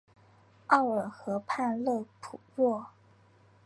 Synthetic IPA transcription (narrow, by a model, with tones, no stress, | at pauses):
ɑ˥˩ʊə˨˩xɤ˧˥pʰa˥˧nlɤ˥˩pʰu˨˩lwɔ˥˩